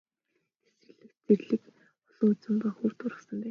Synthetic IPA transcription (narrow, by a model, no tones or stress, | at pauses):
esɘ̆ɮɘ̆kt͡serɮɘ̆k | ɔsɞ̆ŋut͡sɘ̆mpaxuːt̪ʊɾə̆χsə̆nt̪æː